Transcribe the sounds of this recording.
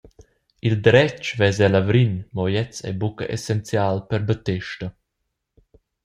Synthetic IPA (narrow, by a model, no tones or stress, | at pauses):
ild̪ɾɛt͡ʃvɛzɛlavɾinmɔjɛt͡sɛ̰bukə̰ʔesɛnt͡sjaːlpɛɾbət̪ɛʃtə